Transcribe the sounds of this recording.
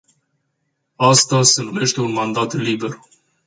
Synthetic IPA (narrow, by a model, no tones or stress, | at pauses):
ast̪ase̞nume̞ʃt̪e̞unmand̪at̪libe̞r